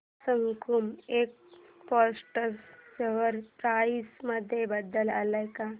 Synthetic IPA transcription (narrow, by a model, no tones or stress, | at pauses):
səŋkumeːk̚ | pɔsʈəɾseʋəɾpɾaisməd̪ʱjebəd̪əla̰ləjka